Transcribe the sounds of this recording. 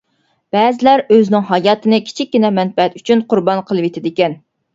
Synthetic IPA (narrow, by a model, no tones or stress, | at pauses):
b̥ɛːzɪlæɾøznɪŋɦɑjɑːt̪ʰɨnɨkʲʰi̥t͡ʃʰik̚ʲːinɛmɛnfɛɛt̪yt͡ʃʰynqʰʊɾbɑnqʰəlˠɨwet̪ʰɪd̪ɪkʲɛn